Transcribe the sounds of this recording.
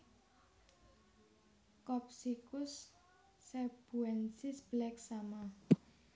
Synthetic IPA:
kɔp̚sikʊsː | ɛb̥uɛnsisb̥əlɛksama

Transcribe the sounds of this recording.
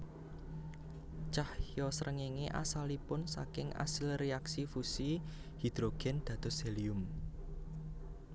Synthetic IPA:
t͡ʃahjɔsɾʔəŋeŋeʔa̰salipʊnsa̰kɪŋa̰sɪlreaksifusi | hid̪̥ɾoɡ̥ɛ̤nd̪̥ä̤d̪̥ɔ̤sɛliʊm

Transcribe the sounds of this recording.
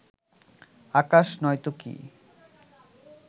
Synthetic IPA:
akaʃnɔjt̪okḭ

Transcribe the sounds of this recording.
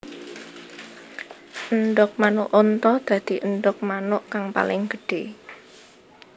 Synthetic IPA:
ənɖʊk̚manʊʔont̪ɔd̪̥ä̤d̪̥i̤ʔənɖʊk̚manʊʔkaŋpa̰lɪŋɡ̥ə̤ɖ̥e

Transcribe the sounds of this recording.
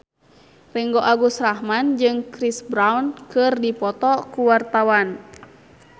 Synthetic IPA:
riŋɡɔʔaɡusrahmand͡ʒɨŋkɾisbɾawnkɨrdipɔt̪ɔkuwart̪awan

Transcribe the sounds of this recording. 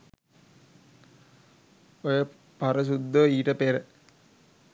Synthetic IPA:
ojə | pɐɾəs̬ud̪ːoiːʈəpeɾə

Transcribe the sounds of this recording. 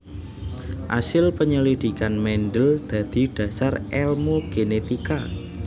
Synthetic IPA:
ʔa̰sɪlpəɲəlid̪̥i̤kanmɛnɖəld̪̥ä̤d̪̥i̤ɖ̥ä̤sarɛlmoɡ̥enet̪ika

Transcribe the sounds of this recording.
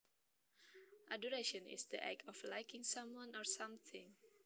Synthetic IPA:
ʔa̰dɔɹeʃɔ̃nɪ̰sd̪iʔɛ̰kʰɔflaɪjkɪ̃ŋsãmwʌ̃nɔɹsãmθɪ̃ŋ

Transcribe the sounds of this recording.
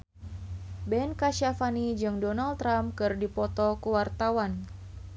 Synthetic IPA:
bɛnkaʃafanid͡ʒɨŋdɔnalt̪ːɾamkɨrdipɔt̪ɔkuwart̪awan

